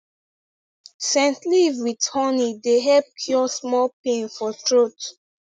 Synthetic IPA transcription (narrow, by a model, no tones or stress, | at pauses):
sɛ̃ntlivwidhɔnideɦɛlp̚kʰjɔsmɔlpẽnfɔtɹot